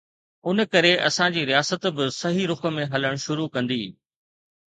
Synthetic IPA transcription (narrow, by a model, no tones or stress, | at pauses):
ʊnəkɐɾeʔɐsãd͡ʑiːɾijaːsət̪bɪsɐɦiɾʊxə̆mẽɦɐləɽ̃ʃʊɾukɐ̃nd̪ḭː